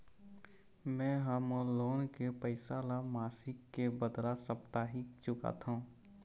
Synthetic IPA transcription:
mɛ̃ɦəmloːnkepəɪsalamaːsɪkːebəd̪lasəpt̪aːɦɪkt͡ʃʊka̰t̪ʰũː

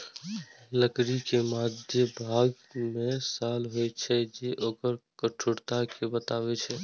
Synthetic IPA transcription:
ləkɾikemad̪jəbʱaɡ | mesalɦojt͡ʃʰɛd͡ʒeʔokəɾkəʈʰoɽt̪akebət̪aβɛt͡ʃʰɛ

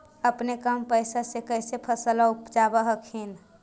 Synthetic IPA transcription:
əpnekəmpəɪsasekəjsepʰəsəlaupd͡ʒabəɦəkʰin

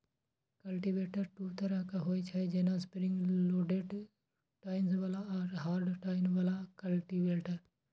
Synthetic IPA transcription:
kəlʈiʋeːʈəɾʈuːt̪əɾakaɦoːit͡ʃʰad͡ʒeːnaspɾɪ̃ŋɡloːɖeːʈ | ʈaːɪnsʋaːlaɔɾɦaːɾɖʈaːɪnʋaːlakəlʈiʋeːʈəɾ

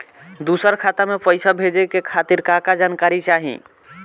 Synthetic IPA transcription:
d̪usəɾkʰat̪amepəɪsabʱed͡ʒəkekʰat̪iɾkakad͡ʒankaɾit͡ʃaɦḭ̃

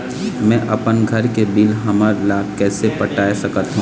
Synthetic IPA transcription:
mɛ̃ʔɐpənɡʱɐɾkebilɦɐməɾlaːkɛːsepɐʈaːesɐkət̪ɦũ

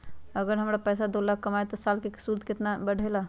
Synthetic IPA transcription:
əɡəɾɦəmɾapəjsad̪olaɡkːəmajt̪ɔsalkesuld̪ket̪nabəɽ̤ʱela

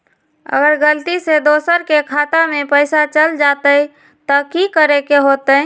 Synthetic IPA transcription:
ə̰ɡəɾɡəlt̪ised̪oːsəɾkekʰaːt̪amepəɪsat͡ʃəld͡ʒat̪əi | t̪əkikəɾekeɦot̪ə

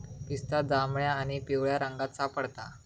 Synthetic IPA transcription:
pist̪ad͡zamɳjaːɽ̃ipeʋɭjaɾəŋɡasapəɽt̪a̰

